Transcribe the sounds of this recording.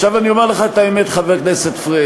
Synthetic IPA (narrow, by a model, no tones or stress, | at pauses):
ʃavaniomeʁleχaet̪aemet̪χavekneset̪fʁe